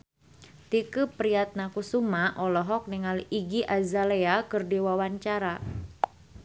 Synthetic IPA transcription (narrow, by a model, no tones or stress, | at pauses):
t̪ikupɾiat̪̚nakusumaʔɔlɔɦɔk̚niŋaliɡiʔazaleakɨrdiwawaɲt͡ʃaɾa